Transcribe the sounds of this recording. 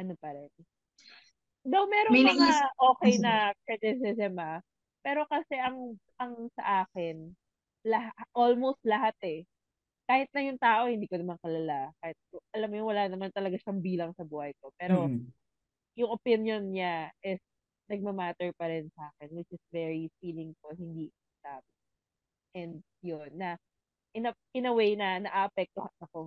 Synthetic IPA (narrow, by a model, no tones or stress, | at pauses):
ʔɐnopɐɾɛn | d̪ɐwmɛːɾommɐŋaʔo̞ːkɛjnɐkɹɛd̪ɪs̬ɛsɛmɐ | pɛːɾo̞kɐsɛʔɐŋ | ɐŋsɐ̰ʔaːkɪn | lɐhaʔolmowst̪̚lɐɦat̪̚ɛ | kaːhɪt̪̚nɐjʊŋt̪aːʔo̞hɪnd̪iːkonɐmankɐlɐlakaːhɪt̪̚ʔɐlamːjʊŋwɐlaːnɐmant̪ɐlɐɡaʃɐŋbiːlɐŋsɐbuːhɐjko̞pɛːɾo̞ | jʊŋopɪnjonɲaʔɪs | nɐɡ̚mɐmaːt̪ɛɹpɐɾɪnsɐʔaːkɛnwɪt͡ʃɪsvɛɹifiːlɪŋfʊlɦɪnd̪iʔɪɪst̪aːbɪ | ʔɛnd̪̚ | jonːɐ | ʔɪnɐ | ɪnɐwejnɐnɐʔaʔɐpɛk̚t̪ohɐnɐko̞